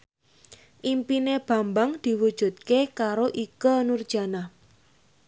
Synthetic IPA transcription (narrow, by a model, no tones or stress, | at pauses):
ʔimpineb̥a̤mbaŋd̪̥i̤wud̥ʒ̥ṳt̪̚kekaɾoʔikənurd̥ʒ̥a̤na